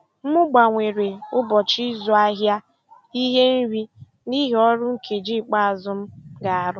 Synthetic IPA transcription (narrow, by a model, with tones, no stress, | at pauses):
m̩˦mʊ˦ɡ͡ba˨ŋʷe˨ɾe˨ʊ˦bɔ˨t͡ʃi˦zɔ˨a˦ɦja˦ | i˦ɦe˦n̩˦ɾi˦ | ni˦ɦɔ˦ɾʊ˦ŋ̩˦kʰe˨d͡ʒi˦˨k͡pa˦a˨zʊ˦m̩˦ɡa˨a˨ɾʊ˦